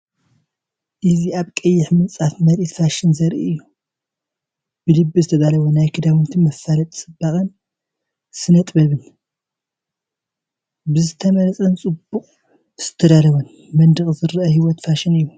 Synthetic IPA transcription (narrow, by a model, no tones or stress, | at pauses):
ʔɨziaβkʼɐjːɪħmɨnt͡sʼafmɐɾit̪faʃɪnzɐɾʔiɨjːu | b̥ɨlɨbːɨzɨt̪ʰɐd̪alɐβonajkʰɨd̪awɨnt̪ʰimɐfːalɐt̪ʼt͡sʼɨbːaχʼɨn | sɨnɐt̪ʼbɐβɨn | bɨzɨt̪ʰɐmɐlɐt͡sʼɐnt͡sʼɨbuqʼ | z̥ɨ̥t̪ʰɐd̪alɐβɐn | mɐnd̪ɨχʼzɨɾʔɐhiwɔt̪faʃɪnɨjːu